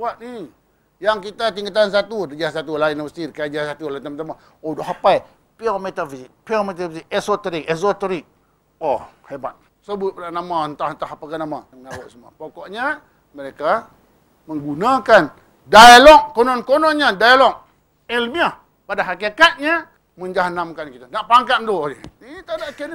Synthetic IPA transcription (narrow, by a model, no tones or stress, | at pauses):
wat̪̚ni | jaŋkit̪at̪iŋɡat̪̬ans̬at̪udəd͡ʒasat̪̬ulainawəst̪iɾkad͡ʒasat̪ulat̪amt̪ama | odɔɦapai | piɔmet̪afizik̚piɔmet̪̬avisikɛsot̪əɾik̚ɛsot̪oɾik̚ | ɔheba̰t̪̚ | səbʊt̪̚pəlanamant̪ahnt̪ahapakanamamŋawaʔsuma̰pokɔʔɲa | məɾeka | mə̃ŋɡunakan | daalɔk̚ːonɔnkonɔnɲadajalɔk̚ | elmia | padaɦakekat̪̚ɲa | məɲd͡ʒaɦnamkankit̪anaʔpaŋkat̪̚d̪uiit̪adaʔken